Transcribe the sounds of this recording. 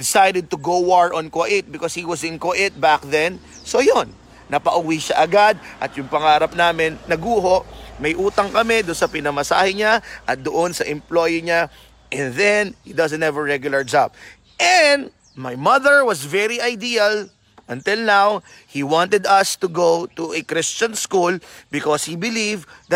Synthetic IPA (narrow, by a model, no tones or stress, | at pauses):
d̪ɪsajd̪ɛd̪̚t̪ʊɡowaɹʔɔ̃nkoʔɪt̪̚bɪkoshiwɐsɪ̃nkoʔɪt̪̚bak̚ðɛn | sojonː | ɐpɐʔʊwiʃaʔɐɡad̪̚ʔɐt̪̚jʊŋpɐŋaːɾɐp̚naːmɪnːɐɡuːɦo̞ʔmɐjʔuːt̪ɐŋkɐmɛd̪ʊnsɐpɪnɐmɐsa̰ːhɛɲaʔɐt̪̚d̪ʊʔonsɐʔɪ̃mplojiɲa | ʔɛ̃nðɛnhid̪ɐzɛ̃nhɛvəɹɹɛɡjʊlɐɹd͡ʒab̚ | ʔɛn | majmɐðəɹwɐsvɛɹiʔajd̪iɐl | ʔɐ̃nt̪ɪlnaw | hiwɑ̃nt̪ɛd̪ɐst̪ʊɡowt̪uʔɛkɾɪst͡ʃɐ̃nskulbɪkoshibɪlivd̪ɐt̪̚